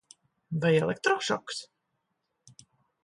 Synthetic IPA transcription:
vajɛlˠɛk̚t̪ɾɔʃɔ̰ks

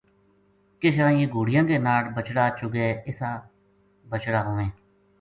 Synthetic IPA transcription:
kɪʃãːẽːɡuːɽɪjãːkeːnaːɽbət͡ʃɽaːt͡ʃʊɡeːɪsaː | bət͡ʃɽaːɦoːʋẽː

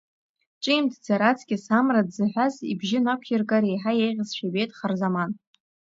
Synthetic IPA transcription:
ʈ͡ʂʼijmtʰd͡zaɾat͡sʰɡʲʼɪsamradzɨħᶣʷazḭbʒɪnakʷʰjɪrkʼaɾejħajejʁʲɪzʃᶣabejtʼχarzaman

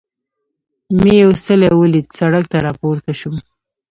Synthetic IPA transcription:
meosəlewəlit̪saɽak̚t̪aɾɑpoɾt̪aʃum

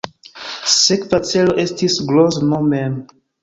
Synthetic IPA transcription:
sekvat͡se̞lo̞ʔe̞stisɡloznomem

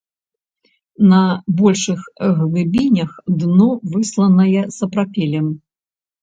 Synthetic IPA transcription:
nɐbɔlʲʂɨxɣlˠɨbʲinʲɐxd̪nɔvɨslˠɐnɐjɛsɐpɾapʲɛlʲɛm

